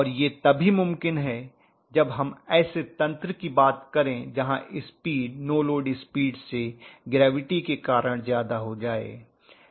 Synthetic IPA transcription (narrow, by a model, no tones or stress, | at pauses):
ɔːɾjet̪ɐbʱimʊ̃mkɪnɦɛ | d͡ʒɐbɦɐmɛːset̪ɐ̃nt̪ɾəkibaːt̪kɐɾẽd͡ʒɐɦãʔɪspiːɖnoːloːɖispiːɖseɡɾɛːʋɪʈikekaːɾəɽ̃zjaːd̪aɦod͡ʒaːḛː